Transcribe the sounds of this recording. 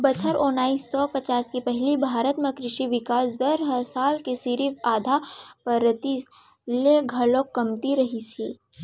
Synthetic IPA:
bɐt͡ʃʰəɾõːnaːisːɔpɐt͡ʃaːskipɛɦlibʱaːɾət̪mẽkɾɪʃiʋɪkaːsd̪ɐɾɦəsaːlkesiɾifaːd̪ʱapəɾət̪is | leɡʱɐloːkːɐmt̪iɾɐɦiseː

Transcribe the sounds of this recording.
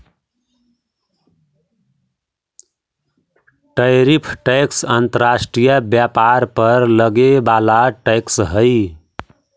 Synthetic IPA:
ʈəjɾipʰʈəksənt̪əɾasʈɾijəbjapaɾpəɾləɡebalaʈəksɦəj

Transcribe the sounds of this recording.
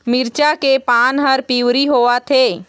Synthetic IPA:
mɪɾt͡ʃakepaːnɦəɾpiːwɾiɦoːat̪ʰeː

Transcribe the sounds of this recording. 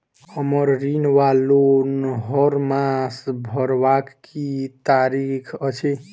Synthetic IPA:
ʌmʌɾɾinwalonɦɔɾmasbʱʌɾbakːit̪aɾikʰʌt͡ʃʰe

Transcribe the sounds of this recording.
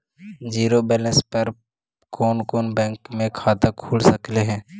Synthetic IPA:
d͡ʒiːɾobɛːlɛ̃nspəɾ | koːnkoːnbɛ̃ːŋkmẽkʰaːt̪akʰuːlsəkleɦɛ̃ː

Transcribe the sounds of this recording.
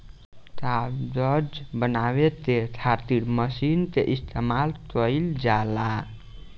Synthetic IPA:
t̪adəd͡ʒbənabet̪et̪ʰaɾt̪iɾməsint̪eʔist̪ʰemalt̪əjld͡ʒala

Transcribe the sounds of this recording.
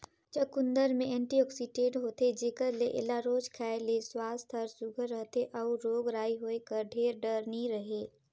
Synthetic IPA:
t͡ʃəkʊ̃nd̪əɾmẽɛ̃ːɳʈiɔːksiʈeːʈɦoːt̪ed͡ʒeːkəɾleʔɪ̰laɾoːd͡ʒkʰɛːeleswaːst̪ʰɔɾsʊɡʱəɾːəɦt̪ʰeʔɐuɾoːɡɾaːiɦoːekəɾɖʱeːɾɖəɾniɾəɦeː

